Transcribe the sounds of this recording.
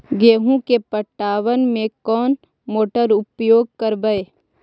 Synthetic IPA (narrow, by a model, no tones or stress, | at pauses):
ɡeːɦũkepəʈːaːʋənmẽkɔːn | moːʈəɾʊpjoːɡ̚kɐɾbəeː